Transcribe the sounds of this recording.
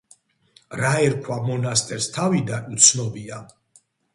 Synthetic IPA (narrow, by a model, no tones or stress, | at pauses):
ɾaɛɾkʰwamɔnast̪ʼɛɾst̪ʰavid̪anut̪sʰnɔbia